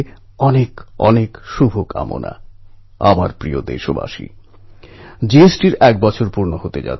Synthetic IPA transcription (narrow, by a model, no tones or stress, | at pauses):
ɔnekɔ̰nekʃubʱoka̰mo̰na̰ | abaɾpɾiod̪ḛʃoba̰ʃḭ | d͡ʑeesʈiɾɛk̚bɔt͡ɕʰoɾpuɾnoɦot̪ed͡ʑa̰